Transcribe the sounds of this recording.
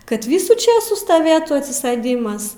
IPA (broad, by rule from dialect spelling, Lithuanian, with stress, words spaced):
kɐt ˈʋʲiːsuː ˈt͡ʃʲeːsuː stɐˈʋʲeːtʊ ɐtʲsʲɪˈsɘdʲɪmɐs